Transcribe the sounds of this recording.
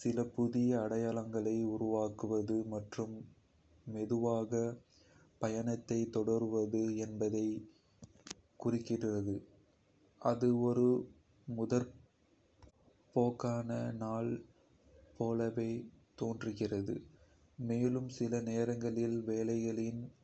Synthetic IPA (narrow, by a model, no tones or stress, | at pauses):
sɪlɐpʊðɪjɐːɽɐjaːɭɐŋɡɐɭɐɪʊɾʊʋaːkɯʋɐðɯmɐʈrɯmː | ɛðɯʋaːɣɐ | pɐjɐnɐt̪ːɐɪt̪ːɔɽɐɾɯʋɐðɯɛnbɐðɐɪ | kʊrɪkːɪrrɐðɯ | ʔɐðɯɔɾɯ | mʊðɐɾ | poːkːaːnɐnaːɭ | poːlɐʋeːt̪oːndrɯɣɪrɐðɯ̰ | meːlɯmsɪlɐneːɾɐŋɡɐɭɪlʋeːlɐɪɣɐɭɪn